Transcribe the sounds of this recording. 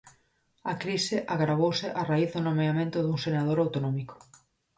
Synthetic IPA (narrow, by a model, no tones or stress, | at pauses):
akɾisɪʔaɣɾaβ̞owsɪʔaraiθðonomeamẽnt̪ʊðuŋsenað̞oɾawt̪onɔmikʊ̥